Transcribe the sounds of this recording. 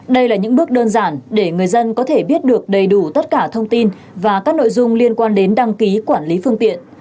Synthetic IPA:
ɗə˧jlaː˨˩ɲɨ̰˧˥ŋɓɨ˦˥ək̚ɗəː˧nzaː˧˩nɗe˧˩ŋɨ˨˩əjzə˧nkɔ˨˦t̪ʰe˧˩ɓi˦˥ət̚ɗɨ˨˩ək̚ɗə˨˩jɗu˧˩t̪ə˦˥t̚kaː˧˩t̪ʰə˧wŋ͡mt̪i˧n | vaː˨˩kaː˦˥k̚no̰˧˨jzʊ˧ŋ͡mli˧ənkwaː˧nɗe˨˦nɗa˧ŋki˨˦kwaː˧˩nli˨˦fɨ˧əŋt̪ḭ˧˨ən

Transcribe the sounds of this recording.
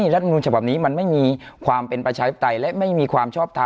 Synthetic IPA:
ɾa˦˥t̪̚ʰːnuː˧nt͡ɕʰba˨˩p̚niː˦˥ma˧nma˥˩jmiː˧kʰwaː˧mpe˧npɾa˧t͡ɕʰaː˧t̪ʰi˦˥˩t̪a˧jlɛ˦˥ʔma˥˩jmiː˧kʰwaː˧mt͡ɕʰɔː˥˩p̚t̪ʰa˧

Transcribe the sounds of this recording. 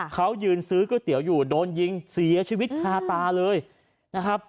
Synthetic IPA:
kʰa˦˥wjɯː˧nsɯː˦˥kɯ˥˩t̪i˩˦əwjuː˨˩doː˧nji˧ŋsi˨˩˦ɐt͡ɕʰiː˧wi˦˥t̪̚kʰaː˧t̪aː˧lɤː˧j | na˦˥kʰa˦˥p̚

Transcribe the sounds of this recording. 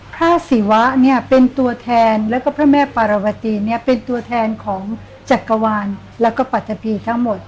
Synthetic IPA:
pʰɾaː˥˩si˩˦wa˦˥ni˥˩ɐpe˧nt̪u˧ɐt̪ʰɛː˧nlɛː˦˥wkɔː˥˩pʰɾaː˥˩mɛː˥˩paː˧ɾa˧wa˧t̪iː˧ni˥˩ɐpe˧nt̪u˧ɐt̪ʰɛː˧nkʰɔː˩˦ŋ | t͡ɕa˨˩kːa˧waː˧n | lɛː˦˥wkɔː˥˩pa˨˩t̪ʰːa˧pʰiː˧t̪ʰa˦˥ŋmo˨˩t̪̚

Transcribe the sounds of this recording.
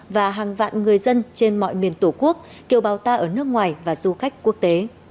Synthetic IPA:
vaː˨˩ɦaː˨˩ŋva̰ː˧˨nŋɨ˨˩əjzə˧nt͡ɕe˧nmɔ̰˧˨jmi˨˩ənt̪o˧˩ku˦˥ək̚ | ki˨˩əwɓaː˨˩wt̪aː˧ʔəː˧˩nɨ˦˥ək̚ŋwaː˨˩jvaː˨˩zu˧xa˦˥jk̟̚ku˦˥ək̚t̪e˨˦

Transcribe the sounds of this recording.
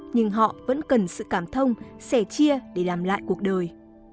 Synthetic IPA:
ɲɨ˧ŋɦɔ̰˧˨və̰˧˥nkə˨˩nsɨ̰˧˨kaː˧˩mt̪ʰə˧wŋ͡msɛ˧˩t͡ɕi˧əɗe˧˩laː˨˩mla̰ː˧˨jku˨˩ək̚ɗəː˨˩j

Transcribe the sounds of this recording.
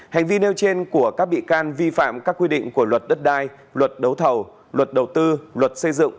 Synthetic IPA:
ha˨˩jŋ̟vi˧ne˧wt͡ɕe˧nku˧˩əkaː˦˥k̚ɓḭ˧˨kaː˧nvi˧fa̰ː˧˨mkaː˦˥kːwi˧ɗḭ˧˨ŋku˧˩əlwə˨˩t̚ɗə˦˥t̚ɗaː˧j | lwə˨˩t̚ɗə˨˦wt̪ʰə˨˩w | lwə˨˩t̚ɗə˨˩wtt̪ɨ˧lwə˨˩t̚sə˧jzɨ̰˧˨ŋ

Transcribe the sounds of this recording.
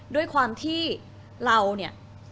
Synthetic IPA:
du˥˩əjkʰwaː˧mt̪ʰiː˥˩ | ɾa˧wni˥˩ə

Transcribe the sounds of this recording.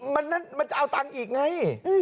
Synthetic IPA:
ma˧nːa˦˥nma˧nt͡ɕa˨˩ʔa˧wt̪a˧ŋʔiː˨˩k̚ŋa˧˥j

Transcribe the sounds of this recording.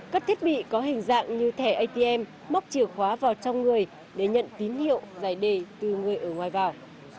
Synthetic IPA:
kaː˦˥k̚t̪ʰi˦˥t̚ɓḭ˧˨kɔ˨˦ɦï˨˩ŋ̟za̰ː˧˨ŋɲɨ˧t̪ʰɛ˧˩ʔə˧jt̪i˧ʔɛ˧mːa˦˥wk͡p̚t͡ɕi˧˩əwxwaː˨˦vaː˨˩wt͡ɕɔ˧wŋ͡mŋɨ˨˩əj | ɗe˧˩ɲə̰˧˨nt̪i˨˦nhḭ˧˨əwzaː˧˩jɗe˧˩t̪ɨ˨˩ŋɨ˨˩əjʔəː˧˩ŋwaː˨˩jvaː˨˩w

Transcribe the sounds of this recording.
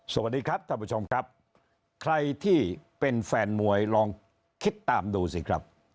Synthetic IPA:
so˨˩wa˩t̪̚diː˧kʰɾa˦˥p̪̚ʰa˥˩pʰu˧˥t͡ɕʰo˧mkʰɾa˦˥p̚ | kʰɾa˧jt̪ʰiː˥˩pe˧nfɛː˧nmu˧˩əjɾɔː˧ŋ | kʰi˦˥t̪ːaː˨˧mduː˧si˧˩kʰɾa̰˦˥p̚

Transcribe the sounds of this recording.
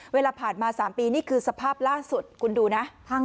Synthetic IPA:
weː˧laː˧pʰaː˨˩nmaː˧saː˩˦mpiː˧niː˥˩kʰɯː˧sa˧pʰaː˥˩p̚laː˥˩su˨˩t̪̚kʰu˧nduː˧na˦˥ʔʰa˧

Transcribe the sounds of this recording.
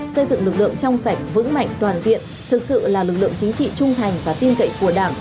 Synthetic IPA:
sə˧jzɨ̰˧˨ŋlɨ˨˩k̚lɨ̰˧˨əŋt͡ɕɔ˧wŋ͡msa˧˩jk̟̚vɨ̰˧˥ŋma̰˧˨jŋ̟t̪waː˨˩nzḭ˧˨ən | t̪ʰɨ˨˩k̚sɨ̰˧˨laː˨˩lɨ˨˩k̚lɨ̰˧˨əŋt͡ɕï˨˦ŋ̟t͡ɕḭ˧˨t͡ɕʊ˧ŋ͡mt̪ʰa˨˩jŋ̟vaː˨˩t̪i˧ənkə̰˧˨jku˧˩əɗaː˧˩ŋ

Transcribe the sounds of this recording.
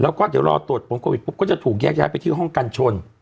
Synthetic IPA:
lɛː˦˥wkɔː˥˩d̪iː˨˩˦wɾɔ̰ː˧t̪u˨˩ət̪̚pʰo˩˦mkʰoː˧wi˨˩pu˦˥p̚kɔː˥˩t͡ɕa˨˩t̪ʰuː˨˩k̚jɛː˥˩k̚jaː˦˥jpa˧jt̪ʰiː˥˩ɦɔ˥˩ŋka˧nt͡ɕʰo˧n

